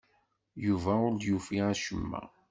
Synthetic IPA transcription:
juvæʊɾd̪jufiæʃəmːæ̰

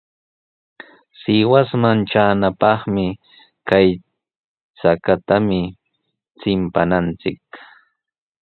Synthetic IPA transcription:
sɪwasmanʈ͡ʂaːnapɑχmɪ | kaj | t͡sakat̪amɪ | t͡sɪmpanant͡sɪk̚

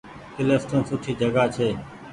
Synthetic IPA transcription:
kɪlesʈoːnsʊʈʰiːd͡ʒəɡaːt͡ʃʰeː

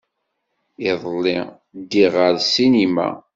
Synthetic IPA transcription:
ɪðˤlːi | d̪iʁəɾsinima̰

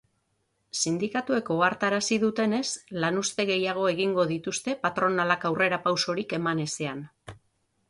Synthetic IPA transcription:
sind̪ikat̪ue̞ko̞aɾt̪aɾasiðut̪e̞ne̞slanust̪e̞ɣ̞e̞jaɣ̞o̞e̞ɣ̞iŋɡo̞ðit̪ust̪e̞pat̪ɾo̞nalakawre̞ɾapawso̞ɾike̞mane̞se̞an

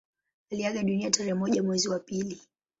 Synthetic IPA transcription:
aliaɠaɗuniataɾɛmɔʄamwɛziwapili

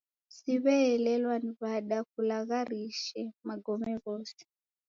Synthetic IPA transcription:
siβɛɛlɛlwaniβaɗak̚ulaɣaɾiʃɛmaɡɔmɛɣɔsɛ̥

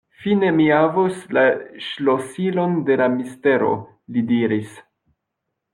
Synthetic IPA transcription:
fine̞miavuslaʃlosilonde̞lamiste̞ɾo̞̰ | lidiɾis

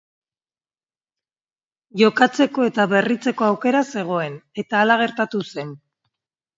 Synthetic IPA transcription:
ʝo̞kat͡se̞ko̞e̞t̪aβe̞rit͡se̞ko̞awke̞ɾase̞ɣ̞o̞e̞ne̞t̪aːlaɣ̞e̞ɾt̪at̪use̞n

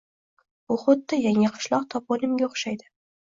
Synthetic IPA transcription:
bʊχʊd̪ːɪjaŋaqʰʊ̥ʃlˠɒq̚t̪ʰɒp̚olɪmɡʲaʊχʃajd̪ɪ

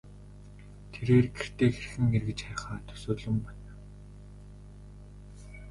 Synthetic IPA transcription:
t̪ʰeɾeːrɡer̥t̪eːxerxɘ̆ŋerɣɘ̆t͡ɕχăːχaːt̪ʰɵ̥soːt̪ɮɵ̆mpan

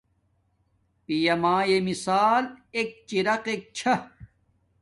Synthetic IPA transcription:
pijɐmãːjemisaːlek̚t͡ɕiɾɐqek̚t͡ɕʰɐ

